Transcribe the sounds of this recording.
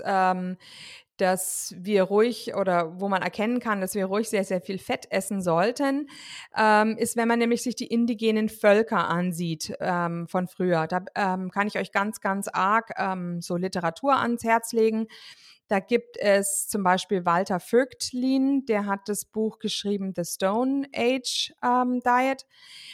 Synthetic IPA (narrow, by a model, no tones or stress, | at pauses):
ɛːm | d̥asviːɐʁuɪçʔoːɾɐvoːmanɛ̰ɐkʰɛnənkʰand̥asv̥iːɐʁuɪçz̥eːɐzeːɐfiːlfɛtʰʔɛsn̩zɔltənʔɛːmɪstvɛnmanːɛːmlɪçz̥ɪçd̥iːʔɪndiɡeːnənfœlkɐʔanziːtʔɛːmfɔnfʁ̥yːɐd̥aːʔɛːmkʰanɪçʔɔʏçɡ̥ant͡sɡ̥ant͡sʔaɐkʔɛːmz̥oːlɪtəʁatʰuːɐʔa̰nshɛɐt͡sleːɡŋ̩ | d̥aːɡiːp̚tʰɛst͡sʊmbaɪʃpiːlvaltɐfʏktliːnd̥eːɐɦat̚d̥asb̥uːxɡ̥əʃʁ̥iːbm̩ðəstoʊnʔeɪd͡ʒʔɛːmdaɪɛt